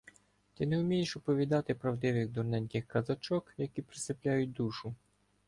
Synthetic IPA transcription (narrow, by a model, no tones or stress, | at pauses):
t̪ɪnɛʊmʲijeʃɔpɔʋʲid̪ɑt̪ɪpɾɐwd̪ɪʋɪɣd̪ɔrnɛnʲkɪxkɐzɐt͡ʃɔkjɐkʲipɾɪsɪplʲajʊt̚ʲd̪uʃʊ